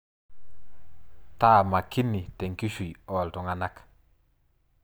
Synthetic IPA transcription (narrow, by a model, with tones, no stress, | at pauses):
ta˦˨ma˨ki˦ni˨tɛ˨ŋki˦ʃi˨ɔ˨ltɔ˨ŋa˨na˦k